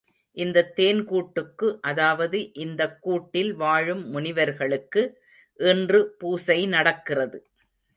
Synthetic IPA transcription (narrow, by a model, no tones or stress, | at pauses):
ʔɪnd̪ɐt̪ːeːnkuːʈːɯkːɯʔɐðaːʋɐðɯʔɪnd̪ɐkːuːʈːɪlʋaːɻɯmːʊnɪʋɐɾɣɐɭɯkːɯ | ʔɛndrɯpuːsɐɪnɐɽɐkːɪrɐðɯ